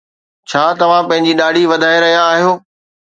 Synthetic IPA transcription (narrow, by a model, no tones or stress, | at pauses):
t͡ɕʰaːt̪ɐʋ̤ãpɐ̃ɦɪ̃ɲd͡ʑiːɗaːɖʱiʋɐd̪ʱaːeɾɐɦijaːɦijoː